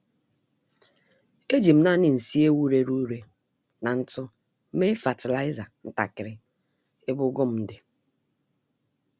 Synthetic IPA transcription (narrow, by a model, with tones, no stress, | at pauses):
e˦d͡ʒi˨m̩˦na˦nɪ˨n̩˨si˦e˦wu˦ɾe˦ɾu˦ɾe˦ | na˨n̩˦tʊ˦ | me˦fa˨tɪ˨la˦ɪ˦za˨n̩˦ta̰˨kɪ˨ɾɪ˦˨ | ɪ˦bʊ˦ɡʊ˦m̩˨˦dɪ˨